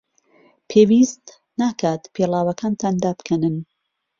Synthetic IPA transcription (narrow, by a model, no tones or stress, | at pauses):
pʰeːwist̪ | naːkʰaːt̪pʰelaːwɐkʰaːnt̪ʰaːnd̪aːbkʰɛnɨn